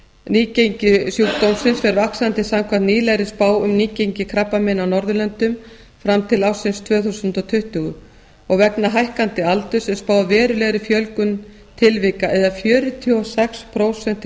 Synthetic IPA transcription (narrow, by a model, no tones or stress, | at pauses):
niːcejɲcɪsjuːkst̪ownsɪnsfɛɾvaksant̪ɪsamkʰvant̪niːlɛɣɾɪspaːwʏmniːcejɲcɪkʰɾapːamɛnːawnɔɾðʏlœnt̪ʏm | fɾamt̪ʰɪlawsɪnst̪ʰvœːθusʏnt̪ɔt̪ʰʏht̪ʏɣʏ | ɔɣvɛknaɦajhkant̪ɪalt̪ʏsɛspaːwðvɛːɾʏlɛɣɾɪfjœlkʏn | t̪ʰɪlvɪkaʔɛðafjœːɾʏt̪ʰiɔsɛkspʰɾowsɛn̥t̪